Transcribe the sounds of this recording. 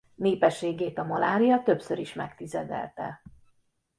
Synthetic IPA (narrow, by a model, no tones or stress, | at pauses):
neːpɛʃːeːɡeːt̪ɒmɒlaːɾijɒt̪ø̞psøɾiʃmɛkt̪izɛd̪ɛ̰lt̪ɛ̰